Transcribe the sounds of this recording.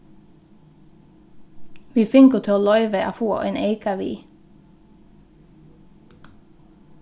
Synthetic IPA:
ʋiːfɪŋkət̪ʰɪoːlœʏʋəʔɑ̰ːfoːʔḛːneɪkɑʋḭː

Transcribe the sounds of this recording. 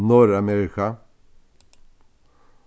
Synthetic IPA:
nɔɾameːɾɪkʰa

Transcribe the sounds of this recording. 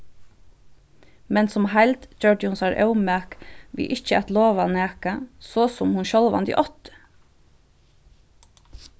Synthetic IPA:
mɛnsɔmhæɪlt̪d͡ʒœɖɪʊnsɑːɾʔə̰ʊmækʋɪ̰ːʔɪçəɛt̪loːʋɑneːkɑsoːsɔmhʊnʃɔlʋɑ̰nd̪ɪ̰ʔɔt̪ə

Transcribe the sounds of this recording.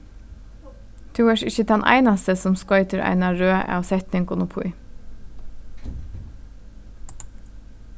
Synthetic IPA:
t̪ʰʉːəʃɪçəd̪ɛnʔæ̰ɪnɑst̪əsɔmskɔʏt̪əɹʔæ̰ɪnɑɹøːʔæ̰sɛt̪nɪŋkʊnʊpʰṵʏ

